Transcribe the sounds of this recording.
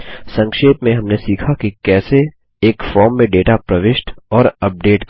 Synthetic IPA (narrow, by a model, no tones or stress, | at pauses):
sɐ̃ŋkʃeːt̪mẽɦɐmnesiːkʰakikɛːse | eːkfɔːɾmːẽɖeːʈapɾɐʋɪʃʈɔːɾɐp̚ɖeːʈk